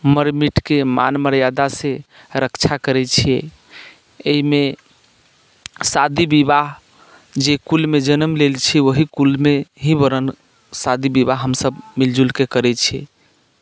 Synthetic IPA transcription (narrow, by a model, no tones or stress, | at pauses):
məɾmiʈkema̰nməɾjad̪asẽ | ɾəkt͡ʃʰakəɾɛt͡ʃʰijɛ | eɦime | sad̪ibibaɦ | d͡ʒekulmed͡ʒənəmlelt͡ʃʰioɦikulmeɦibəɾən | sad̪ʱibibaɦːəmsəbmild͡ʒulkekəɾɛt͡ʃʰɛ̰